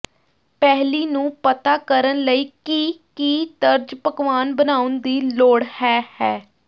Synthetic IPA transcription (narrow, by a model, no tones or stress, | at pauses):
pɛɦliːnũːpət̪aːkəɾənləiːkikiːd̪əɾd͡ʒpəkʋaːnbənaːʊnd̪iːloːɽhɛːhɛː